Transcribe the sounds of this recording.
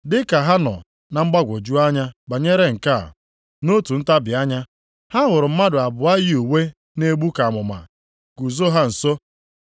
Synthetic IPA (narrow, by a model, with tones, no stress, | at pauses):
dɪ˦ka˨ɦa˦nɔ̰˨ | na˨ŋ͡m̩˦ɡ͡ba˦ɡʷo˨d͡ʒu˦a˦ɲa˦ɡ͡ba˨ɲe˦ɾe˦ŋ̩˨ka̰˦˨ | no˦tu˨n̩˦ta˦bɪ˨a˦ɲa˦ | ha˦ŋʊ˨ɾʊ˨m̩˦ma˦dʊ˨a˨bʊ˨a˦jɪ˦u˨we˦ | ne˦ɡ͡bu˦ka˨mʊ˨ma̰˨ | ɡ̥u˨zo˦ɦa˦n̩˨so˦